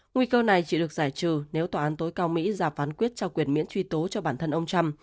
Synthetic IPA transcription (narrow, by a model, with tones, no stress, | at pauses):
ŋwi˧kəː˧na˨˩jt͡ɕḭ˧˩ɗɨ˨˩ək̚zaː˧˩jt͡ɕɨ̰˧˨˩ne˨˦wt̪waː˨˩ʔaː˨˦nt̪o˨˦jkaː˧wmḭ˧˥zaː˨˩pfaː˨˦nkwi˦˥t̚t͡ɕɔ˧kwi˨˩ənmḭ˧˥ənt͡ɕwi˧t̪o˨˦t͡ɕɔ˧ɓaː˧˩nt̪ʰə˧nʔə˧wŋ͡mt͡ɕa˧m